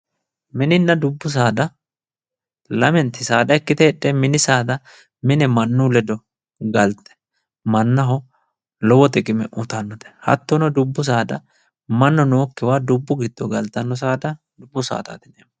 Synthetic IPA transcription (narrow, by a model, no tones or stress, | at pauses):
mɪnɪnːɐd̪ʊbːʊs̬aːd̪ɐ | lɐmɛnt̪ːɪsaːd̪ɐɛkːɪt̪ɛːɗːɛmɪnɪsaːd̪ɐ | mɪnɛmɐnːulɛd̪ɔ | ɡɐlt̪ːɛ̥ | mɐnːɐɦɔ | lɔwɔt̪ɛkʼɪmɛʔʊt̪ɐnːɔt̪ɛ̥hɐ̰t̪ːɔnɔd̪ʊbːʊs̬aːd̪ɐ | mɐnːɔnoːkːɪwaːd̪ʊbːʊɡɪd̪ːɔɡɐlt̪ːɐnːɔs̬aːd̪ɐ | d̪ʊbːʊsa̰ːt̪a̰ːt̪ɪneːm